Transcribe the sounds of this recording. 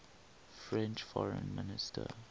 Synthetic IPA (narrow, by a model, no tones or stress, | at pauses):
fɹɛ̃nt͡ʃfɔɹə̃nmɪnɪstʰə